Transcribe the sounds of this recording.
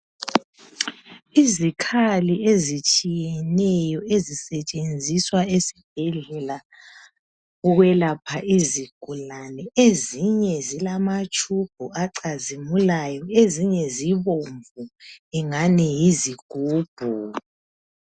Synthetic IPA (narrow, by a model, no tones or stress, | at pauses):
izikʰaliʔezit͡ʃʼijɛnɛjɔezisɛt͡ʃʼend͡zʱiswaesib̥̚ʱɛɮɛla | ɔɣwɛlapʰaʔiziɡ̥ʱulanɛeziɲɛzilamat͡ʃʼub̥̚ʱuʔaǀazimulajɔeziɲɛziβoɱvuɛŋanɛjiziɡ̥ʱuːb̥ʱu